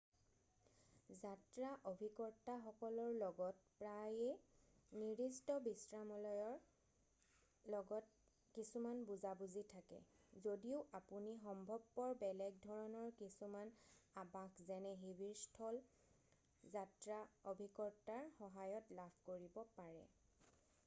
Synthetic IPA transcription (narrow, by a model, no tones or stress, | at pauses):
zatɹaʔobʱikɔɹtaxɔkɔlɔɹlɔɡɔt̚pɹajɛniɹistɔbisɹamɔlɔjɔɹ | lɔɡɔt | kisumanbuzabuzitʰakɛ̰zodiʊʔapunixɔmbʱɔb̚pɔɹbɛlɛɡ̚dʱɔɹɔnɔɹkisumanabakʰzɛnɛɦibʱiɹstʰɔl | zatɹaobʱikɔɹtaɹxɔɦajɔtlapʰkoɹibɔpaɹɛ̰